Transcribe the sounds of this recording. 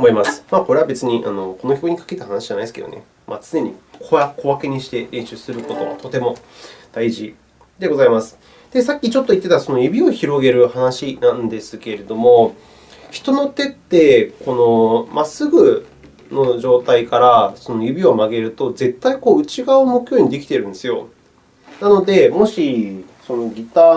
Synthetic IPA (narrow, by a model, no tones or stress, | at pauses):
omoimasɨ̥mako̞ɾe̞βabe̞t͡sɨɲ̟iʔa̰no̞ko̞no̞k̬ʲo̞kɯɲ̟ikḁket̪ahanaɕiʑ̥anaid̪esɨkḛd̪o̰e̞̰ | ma̰t͡sɨne̞ɲ̟ḭkʰoakʰo̞βake̞ɲ̟iɕi̥t̪e̞ɾʔẽ̞ɰ̃ɕɨːsɨɾɯ̟ko̞t̪o̞t̪o̞t̪e̞mo̞d̪̥aiʑi | d̪e̞ɡo̞zaimasɨ̥ | d̪̥e̞sakʲːit͡ɕo̞t̪ːoit̪ːe̞t̪aso̞no̞jɯ̟bʲio̞çiɾo̞ɡe̞ɾɯ̟hanaɕinãnd̪e̞sɨke̞ɾe̞d̪o̞mo̞ | çi̥t̪o̞no̞t̪e̞t̪ːe̞ko̞no̞masɨɡɯ̟ | no̞ʑo̞ːt̪aikaɾaso̞no̞jɯ̟bʲio̞maɡe̞ɾɯ̟t̪o̞ze̞t̪ːaiko̞ːɯ̟t͡ɕiɡaɯmokɯ̟̥çjo̞ːɲ̟id̪e̞kʲi̥t̪e̞ɾɯ̟nd̪esɨjo̞̰ | nano̞d̪e̞mo̞ɕi | so̞no̞ɡʲit̪a